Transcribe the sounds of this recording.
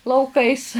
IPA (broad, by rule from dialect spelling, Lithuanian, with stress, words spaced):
lˠɐʊˈkɐɪs